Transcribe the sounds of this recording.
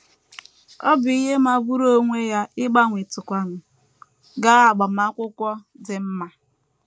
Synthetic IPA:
ɔ˦bʊ˨i˦ɦe˦ma˦bu˦ɾo˦ŋʷe˦ja˦ɪ˦ɡ͡ba˦ŋʷi˨tʊ˨kʷa˨nʊ˨ | ɡa˦a˨ɡ͡ba˨ma˦kʷʊ˦kʷɔ˦ | dɪ˨m̩˦ma˦

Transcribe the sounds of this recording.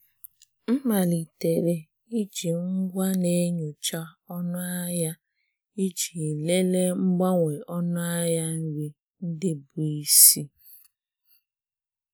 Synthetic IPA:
m̩˦ma˨li˨te˨ɾe˨ | i˦d͡ʒi˨ŋ̩˦ɡʷa˦ne˦ɲu˨t͡ʃa˦ɔ˦nʊ˦a˦ja˦ | i˦d͡ʒi˨le˦le˦ŋ͡m̩˦ɡ͡ba˦ŋʷe˨ɔ˦nʊ˦a˦ja˦n̩˦ɾi˦ | n̩˦dɪ˦bu˨i˦si˦

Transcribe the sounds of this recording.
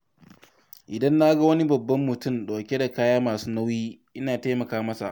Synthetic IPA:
ʔɪ˨dɐ˦nːa˦ɡɐ˦wɐ˦ni˦bɐ˨bːɐ˦mːʊ˨tʊ˦˨mɗa˨kʲe˦da˨kaː˦jaː˦maː˨suː˦na˦wjiː˦ʔɪ˦naː˨ta˦jmɐ˨kaː˦mɐ˦sa̰˨ʔ

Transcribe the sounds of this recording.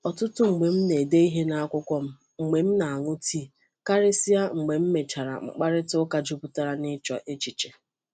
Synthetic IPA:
ɔ˨tʊ˦tʊ˦ŋ͡m̩˨ɡ͡be˨m̩˦ne˨de˦i˦ɦe˦na˦a˦kʷʊ˦kʷɔ˦m̩˦ | ŋ͡m̩˨ɡ͡be˨m̩˦na˨a˨ŋʊ˦tʰi˦˨ | ka˦ɾe˦si˦a˦ŋ͡m̩˨ɡ͡be˨m̩˦me˨t͡ʃa˨ɾa̰˨ŋ͡m̩̰˨k͡pa˦ɾɪ˦tʊ˦ka˨d͡ʒu˦bʊ˦ta˦˨ɾa˨nɪ˦t͡ʃɔ̰˨ʔe˦t͡ʃi˨t͡ʃe˨

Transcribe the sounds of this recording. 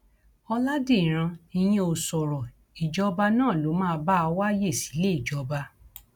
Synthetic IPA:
ɔ˧la˦de˦˨ɾ̃ã˧i˧j̃ĩ˦o˧˨sɔ˨ɾɔ˨ | i˨d͡ʒɔ˦ba˧nã˦˨lo˨˦mãː˦˧˦ba˦a˧wa˦je˦˨si̥˨˦le˦i˦˨d͡ʒɔ˨ba˧

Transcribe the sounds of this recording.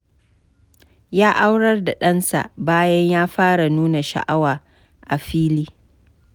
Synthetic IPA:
jaː˦ʔa˦wɽɐ˦rda˨ɗɐ˦nsa̰˨ʔbaː˦jɐ˦ɲjaː˦ɸaː˦ɽa˨nuː˦na˨ʃa̰˨ʔa˦waː˨ | ʔa˨ɸiː˦liː˦

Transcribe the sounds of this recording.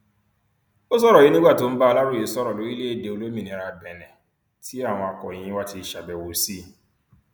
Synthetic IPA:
o˦s̬ɔ˦ɾɔ˨ji˦nĩ˦ɡ͡ba˦˨to˨˦m̩˦ba˦ɔ˦la˦ɾo˦˨e˨sɔ˦ɾɔ˨lo˨˦i˦le˦e˦˨de˨o˦lo˦mĩ˦˨nĩ˨˦ɾa˨bɛ̃˨nɛ̃˨ | ti˦a˦˨w̃ɔ̃˨a˨kɔ̰˨ĩ˦ĩ˦wa˦ti˦˨ʃa˨bɛ˨wo˨siː˦

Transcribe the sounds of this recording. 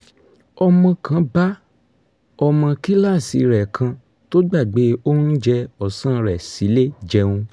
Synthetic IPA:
ɔ˧mɔ̃˧kã˨˦ba˦ | ɔ˧mã˧ki˦la˦˨si˨˧ɾɛ˨kʰã˧ | to˦ɡ͡ba˦˨ɡ͡be˨˦o˦n̩˦d͡ʒɛ˧ɔ˨sã˦˨ɾɛ˨si˨˦le˦d͡ʒɛ˧wũ˧

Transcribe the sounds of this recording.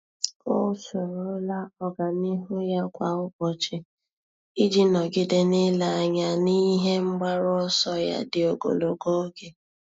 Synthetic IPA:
ʊ˦so˨ɾo˦la˦ɔ˦ɡa˨ni˦ɦo˦ja˦kʷa˨ʊ˦bɔ˨t͡ʃɪ˦ | i˦d͡ʒi˦nɔ˨ɡɪ˦dɪ˦nɪ˦la˨a˨ɲa˨ni˦ɦe˦ŋ͡m̩˦ɡ͡ba˦ɾɔ˦ɔ˦sɔ˦ja̰˦dɪ˨o˨ɡo̰˨lo˨ɡo˦o˦ɡe˨

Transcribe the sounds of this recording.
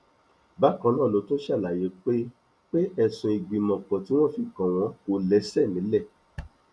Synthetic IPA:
ba˦kã˧˦nãː˦˨lo˨˦to˦ʃa˦˨la˨je˨˦k͡pe˦ | k͡pe˦ɛ˧sũ˧i˧ɡ͡bi˨mɔ̃˨k͡pɔ̃˨ti˨˦w̃ɔ̃˦fi˨kã˨w̃ɔ̃˧˦ko˧lɛ˨˦sɛ˦˨nĩ˨˦lɛ˦˨

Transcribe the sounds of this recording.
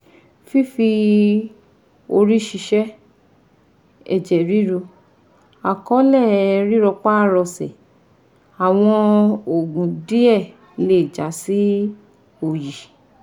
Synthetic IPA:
fi˦fi˧ | o˧ɾi˦ʃi˧ʃɛ˦ | ɛ̰˦˨d͡ʒɛ˨ɾi˦ɾu˧ | a˨kɔ̃˨˦lɛ˦˨ɛ˧ɾi˦ɾɔ˧k͡pa˦˨ɾɔ˧sɛ̰˨ | a˨w̃ɔ̃˧o˨ɡũ˨di˦ɛ˦˨ | le˦˨d͡ʒa˨˦si˦ | o˦˨ji˨

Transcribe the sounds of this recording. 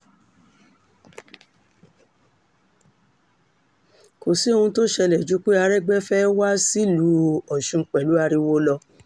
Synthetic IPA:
ko˨si˦o˧ũ˧to˦ʃɛ˧lɛ˨d͡ʒu˨˦k͡pe˦a˧ɾɛ˦ɡ͡bɛ˦fɛ˦wa˦si˦lu˨˦ɔ˨ʃũ˧˦k͡pɛ˨lu˨˦a˧ɾi˧wo˦lɔ˧

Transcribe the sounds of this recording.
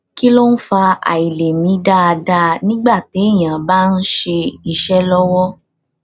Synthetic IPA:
ki˦lo˦n̩˦fa˧a̰˨i˨le˨mĩ˨˦da˦˧da˧nĩ˦ɡ͡ba˦˨te˨˦˨j̃ã˨ba˦n̩˦ʃe˧i˧˨ʃɛ˦lɔ˦wɔ˦

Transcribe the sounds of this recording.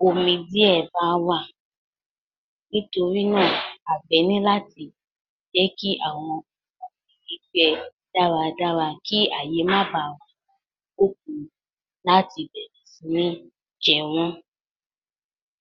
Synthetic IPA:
o˨mĩ˧di˦ɛ˦˨ba˨˦wa˦˨ | nĩ˦to˧ɾi˦nãː˦˨a˨bɛ˨˦nĩ˦la˦ti˧ | d͡ʒɛ˦ki˦ʔa˦˨w̃ɔ̃˧ | ɔ̃˧˨ĩ˨ki˨˧˦ɡ͡bɛ˦ | d̥a˦ɾa˧da˦ɾa˧˨ki˦a˦˨je˨˦mã˦˨ba˨wa˨ | o˦k̚ũ˨˧ | la˦ti˧bɛ˨ɾi˨sĩ˨˦nĩ˦ | d͡ʒɛ˧˨w̃ɔ̃˦

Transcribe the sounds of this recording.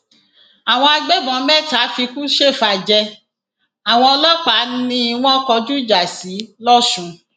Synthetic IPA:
a˨w̃ɔ̃˧a˧ɡ͡be˦bɔ̃˨˧˦mɛ˦˨ta˨˦fi˧kũ˦ʃe˦˨fa˧d͡ʒɛ˧ | a˨w̃ɔ̃˧ɔ˧lɔ˦k͡pa˨˦nĩ˧˦w̃ɔ̃˦kɔ˧d͡ʒu˦i˦d͡ʒa˨si˨˦lɔ˦ʃũ˨˦

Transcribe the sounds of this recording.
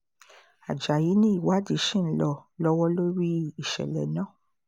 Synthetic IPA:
a̰˨d͡ʒa˨ji˨˦nĩ˦i˦˨wa˨˦di˨˦ʃĩ˦˨˦lɔ˧lɔ˦wɔ˦lo˦ɾi˦i˦˨ʃɛ̰˨lɛ̰˨nãː˦˨

